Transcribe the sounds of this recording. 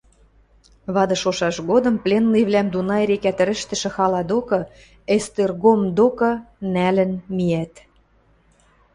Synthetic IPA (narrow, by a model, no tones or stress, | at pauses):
βɑd̪ɤ̆ʃoʃɑʃɣod̪ɤ̆mplʲenlijβlæmd̪unɑeɾekæt̪ɘ̆ɾɘ̆ʃt̪ɘ̆ʃɘ̆xɑlɑd̪okɤ̆ | est̪erɣomd̪okɤ̆nælə̆nmijæt̪